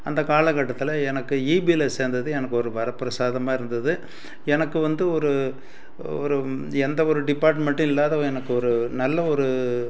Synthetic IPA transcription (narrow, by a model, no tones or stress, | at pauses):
ɐnd̪ɐkaːlɐkːɐʈːɐt̪ːɪlɐɛnɐkːɯiːbiːlɐseːɾnd̪ɐðɯɛnɐkːɯɔɾɯʋɐɾɐpːɪɾɐsaːðɐmaːɪɾɯnd̪ɐðɯ | ɛnɐkːɯʋɐnd̪ɯɔɾɯ | ɔ̰ɾɯɛnd̪ɐɔɾɯɖɪpːaːɾʈ̬mɛɳʈːɯ̃ɪlːaːðɐ̃ɛnɐkːɯɔɾɯnɐlːɐɔɾɯ